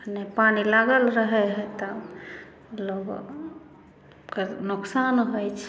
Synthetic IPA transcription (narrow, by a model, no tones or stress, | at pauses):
nepanilaɡəlɾəɦɛɦɛt̪ɔ | loɡ | kenʊksanɦojt͡ʃʰ